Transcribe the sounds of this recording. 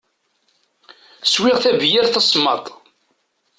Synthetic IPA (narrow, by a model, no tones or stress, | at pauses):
swɪʁθævjæɾθæsˤmɑ̰t̪ˤ